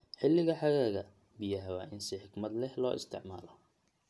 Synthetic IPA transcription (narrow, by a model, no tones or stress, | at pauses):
ħɪlːɪɣɐħɑɣaːɣɐ | bijɐɦɐwa̰ːʔɪnsɪħɪɡmɐd̪lɛhlɔ̰ːʔɪ̰st̪ʰɪ̰ʕmaːlɔ